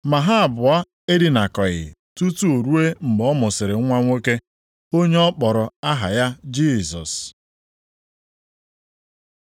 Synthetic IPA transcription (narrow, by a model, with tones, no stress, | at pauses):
ma˨ɦa˦a˨bʊ˨a˦ | e˦dɪ˦na˨kɔ˨ɣɪ̰˨tu˦tu˦o˨ɾu˦e˦m̩˨ɡ͡bɔ˦mʊ˨sɪ˨ɾɪ˨˦ŋʷa˦ŋʷo˦ke˦ | o˦ɲe˦ɔ˦k͡pɔ˨ɾɔ˨a˦ɦa̰˨ja˦d͡ʒi˦˨zɔ˨s